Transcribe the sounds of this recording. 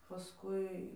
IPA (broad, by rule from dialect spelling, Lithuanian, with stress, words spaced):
pɐˈskʊɪ